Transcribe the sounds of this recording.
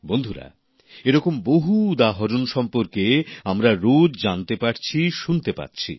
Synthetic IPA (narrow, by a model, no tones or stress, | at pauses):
bond̪ʱuɾa̰ | eɾɔkomboɦud̪aɦoɾonʃɔmpoɾkeamɾaɾod͡ʑd͡ʑant̪epaɾt͡ɕʰiʃunt̪epa̰ɾt͡ɕʰḭ